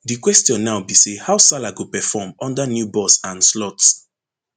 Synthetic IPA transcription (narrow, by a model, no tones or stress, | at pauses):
dikwɛstijɔ̃nːaʊbisehaʊsalaɡopɛfɔmɔ̃ndanjubɔsãnslɔts